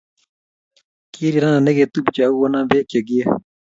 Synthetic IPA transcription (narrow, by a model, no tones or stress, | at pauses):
kiːɾiɾananeɡet̪ubit͡ɕauwɐnãːbeːkeɡije